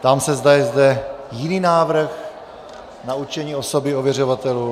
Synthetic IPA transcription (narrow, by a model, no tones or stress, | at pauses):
t̪amsɛzd̪ajɛzd̪ɛjɪniːnaːvr̩x | naut͡ʃɛɲiːo̞so̞bɪovjɛr̝ovat̪ɛluː